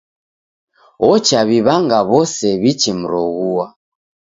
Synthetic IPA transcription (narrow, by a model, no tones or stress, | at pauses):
ɔt͡ʃaβiβaŋɡaβɔsɛβit͡ʃim̩ɾɔɣuwa